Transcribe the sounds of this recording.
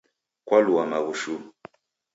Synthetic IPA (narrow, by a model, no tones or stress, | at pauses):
kwaluamaɣuʃu